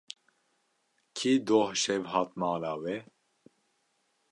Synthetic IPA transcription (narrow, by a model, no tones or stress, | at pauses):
kʰiːd̪oːhʃɛvɦɑːt̪mɑːlaːwɛ